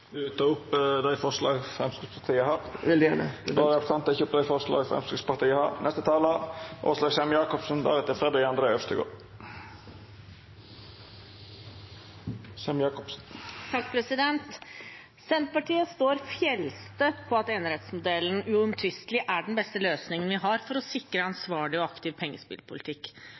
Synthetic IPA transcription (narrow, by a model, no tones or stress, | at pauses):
d̪ʉt̪ʰɑːʊpːd̪æɪfɔʂlɑːɡfɾɛmskʉspʰɑɾt̪ʰiːəhɑɾʋɪld̪jæːnə̰d̪ɑːɾəɔpfɑnt̪ɪçəʊpd̪æɪfɔɾʂɭɑ̰ːɡfɾɛ̰mskʉspɑɾt̪iːəhɑ̰ɾnɛst̪ət̪ʰɑːləʔo̰ːʂlɑːɡsɛmjɑːkɔpsnd̪æ̰ɾɛt̪ːəfɾɛːd̪ɑɡɑnd̪ɾəœfst̪əɡo̰ːɾ | sɛmjɑːkɔpsnt̪ʰɑk̚ːpʰɾɛsɪd̪ɛnt̪ | sɛnt̪pɑʈʰiːəst̪oːɾfjɛlst̪əpʰɔɑt̪eːnəɾɛːt̪smʊd̪ɛln̩ʉɔmt̪ʰʋʏst̪lɪʔæɖɛnbɛst̪əløːsnɪŋənʋɪɦɑɾfɔɾɔsɪkːɾəɑnsʋɑːɭɪɔɑkt̪ɪːʋpʰɛŋːəspɪ̰lpʰʊlɪt̪ʰɪkː